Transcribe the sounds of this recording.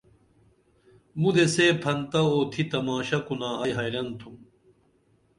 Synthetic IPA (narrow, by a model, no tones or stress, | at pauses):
mud̪eseːpʰɐnt̪ɐoːt̪ʰit̪ɐmaːɕɐkunaːɐjɦɐjɾɐnt̪ʰum